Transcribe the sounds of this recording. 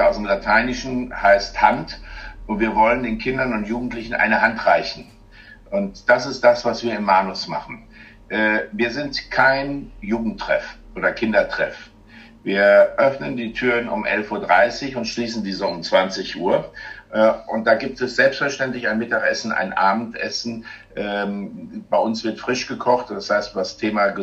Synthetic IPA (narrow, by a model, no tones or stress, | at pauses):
aʊsd̥eːmlatʰaɪnɪʃn̩haɪsthantʔʊntv̥iːɐvɔləndeːnkʰɪndɐnʊntjuːɡŋ̩tlɪçn̩ʔa̰ɪnəhantʁ̥aɪçn̩ | ʔʊntd̥asɪst̚d̥asv̥asv̥iːɐɪmːaːnʊsma̰χn̩ | ʔɛːviːɐzɪntkʰaɪnjuːɡŋ̩tʁ̥ɛ̰fʔoːdɐkʰɪndɐtʁ̥ɛ̰f | viːɐʔœfnəndiːtʰyːʁənʊ̰mʔɛ̰lfʔuːɐdʁa̰ɪsɪçʊntʃliːsn̩diːzoʊmt͡sv̥ant͡sɪçʔuːɐʔɛːʔʊnt̚d̥aːɡiːp̚tɛsz̥ɛlpstfɛɐʃtɛntlɪçaɪnmɪtaχʔɛsn̩ʔa̰ɪnʔaːbm̩tʔɛsn̩ʔɛːmb̥aɪʔʊnsv̥ɪɐtfʁ̥ɪʃɡ̥əkʰɔχtd̥ashaɪstvastʰeːmaɡə